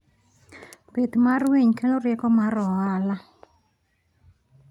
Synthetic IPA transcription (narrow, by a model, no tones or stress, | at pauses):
pet̪marweɲkeloɾjɛkɔmaɾɔala